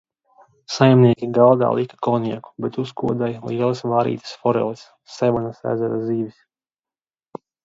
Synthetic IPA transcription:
sajmniɛkʲiɡalˠd̪a̰ːlˠʔikḁkɔniɛku̥bɛt̪uskuɔd̪ajliɛlˠɐsvaːɾḭːt̪ḁsfɔɾɛ̰lˠisːɛvanasæ̰ːzɛɾad̪iːvis

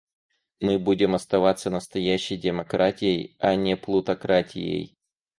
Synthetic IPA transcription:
mɨbudʲɪmɐst̪ɐvat̪sənəst̪ɐjæɕːɪjdʲɪmɐkɾʔatʲɪjəjɐnʲɪplˠʊt̪ɐkɾatʲɪ̰jḛj

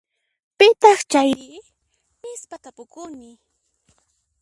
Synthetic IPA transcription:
pɪt̪ɑχt͡ʃajɾɪ | mɪspat̪apʊkʊnɪ

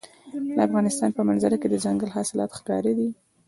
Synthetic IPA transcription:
d̪əafɣɑnɪst̪ɑnpəmanzaɾaked̪əzaŋɡəlɦɑsɪlɑ̰t̪xkɑ̰ɾid̪i

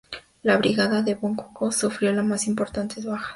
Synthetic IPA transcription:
laβɾiɣaðaðe̞βoŋkukosufɾjo̞lamasimpo̞ɾt̪ant̪e̞zβaxḁ

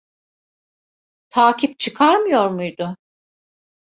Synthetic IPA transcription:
t̪ʰaːcʰip̚t͡ʃʰɯkʰaɾmɯjo̞ɾmujd̪ʊ

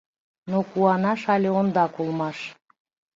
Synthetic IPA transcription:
nokuɑnɑʃɑlʲeond̪ɑkulˠmɑʃ

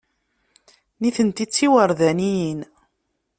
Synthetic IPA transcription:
niθənt̪it͡sːiwəɾðænijin

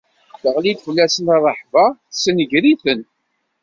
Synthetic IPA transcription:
θəʁlid̪fəlːæsənɑrˤəħvɑθsənəʝɾiθən

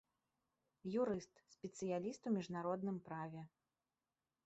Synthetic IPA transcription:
juɾɨst̪sʲpʲɛt̪sɨjalʲist̪uwmʲiʐnaɾɔd̪nɨmpɾavʲɛ

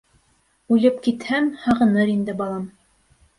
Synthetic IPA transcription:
ʉlɘpkit̪hæmhɑʁɤ̆nɤɾind̪ɘbɑlˠɑm

